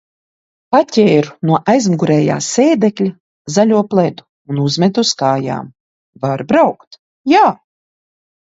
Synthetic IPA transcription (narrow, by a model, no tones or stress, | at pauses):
patʲɛːɾunuɔʔajzmuɡuɾɛːja̰ːseːd̪ɛklʲa | zalʲuɔplˠɛd̪u̥ | unuzmʲɛd̪uskaːja̰ːm | vaɾbɾawkt̪ | jaː